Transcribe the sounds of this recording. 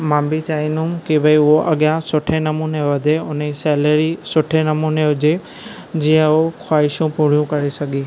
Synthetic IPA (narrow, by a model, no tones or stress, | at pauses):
mãːmbit͡ʃaːĩnʊmkibʱəiʊɦoʔɐɠjãsʊʈʰenɐmuːneʋɐd̪ʱeʊn̤esɛːləɾisʊʈʰenɐmuːneɦʊd͡ʑe | d͡ʑĩːə̃okʰwaːɪʃũpʊɽ̤ijũkɐɾesɐɠeː